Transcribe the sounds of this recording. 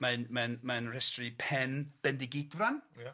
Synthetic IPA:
maɨnmanmanrɛstripʰɛnb̥ɛndɪɡitvran

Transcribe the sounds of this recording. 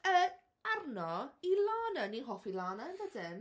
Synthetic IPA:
ə | arnɔilˠaːnaninɦɔfilˠaːnanvədɪn

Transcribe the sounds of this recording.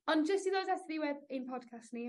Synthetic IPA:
ɔnd͡ʒəstiðoːzɛtɾiwɛdenpʰɔd̥kʰastni

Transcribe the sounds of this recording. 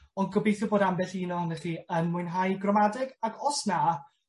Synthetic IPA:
ɔnɡɔbejθjɔboːdambɛɬinɔənɛɬiənmʊjnɦajɡrɔmadɪɡaɡʰɔsna

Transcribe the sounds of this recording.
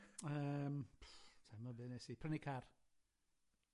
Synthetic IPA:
əːmpʰtʰamɔbɨnesipʰrənikʰar

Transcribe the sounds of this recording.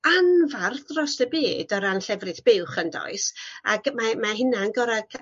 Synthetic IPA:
anvarθrɔsəbeːdɔɾanɬɛvrɨθb̥ɪwχəndɔ̰ɨsa̰ɡmamaɦɪnanɡɔɾaɡ̥

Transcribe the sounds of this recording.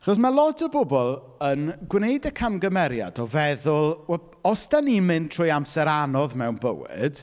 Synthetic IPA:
aχɔsmalˠɔdəbʊbɔlˠ | ənɡwnejdəkʰamɡəmɛɾja̰dɔvɛðʊlˠwɛl | ɔsd̥animɨntʰr̥ʊjamsɛɾanɔðmɛwnbə̰wɪ̰d̥

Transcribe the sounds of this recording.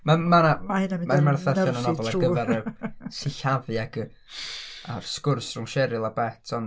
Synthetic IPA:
mamanamamamarθɛθɔnɔnɔvɔlˠaɡəvɛɾəsɪɬavɨaɡ | arskʊrsrʊŋʃɛɾɨlˠabɛtʰɔn

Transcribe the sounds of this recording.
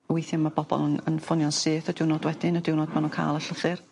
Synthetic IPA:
wejθjɔmab̥ɔbɔ̰lˠənənfʊnjɔnseːθɔdɪwnɔdwɛdɪnɔdɪwnɔd̚manunkʰa̰ːlˠəɬəθɨr

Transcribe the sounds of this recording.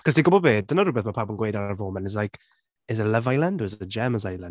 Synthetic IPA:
kʰɔsdiɡʊbɔbeːd̚dənəɾʊbɛθmapʰabənɡwejdarvoːmɛnɪzlajkʰ | ɪzələvajlˠandoɛzəd͡ʒɛməzajlˠan

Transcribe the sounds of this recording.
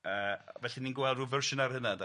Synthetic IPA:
əːvɛɬiniːnɡwɛlˠduːvərʃənarhənada

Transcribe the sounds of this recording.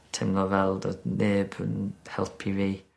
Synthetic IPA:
tʰɪmlˠɔvɛlˠdəneːbə̰nhɛlˠpʰiviː

